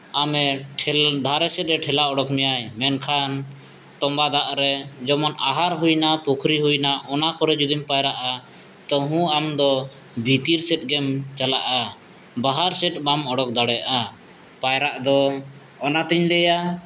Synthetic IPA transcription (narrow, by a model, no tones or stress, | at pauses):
amɛʈʰɛd̪ʱaɾɛsɛt̪̚ɾɛʈʰɛlaɔɽɔkmɛjajmɛnkʰan | t̪ɔmbad̪aʔɾɛd͡ʒɔmɔnaɦaɾɦujnapɔkʰɾiɦujnaʔɔnakɔɾɛd͡ʒud̪impajɾaʔa | t̪əɦũamd̪ɔ | bʱit̪iɾsɛt̪̚ˀɡɛmt͡ʃalaʔa | baɦaɾsɛt̪̚bamɔɽɔk̚d̪aɽɛjaʔa | pajɾaʔd̪ɔː | nat̪iɲlɛja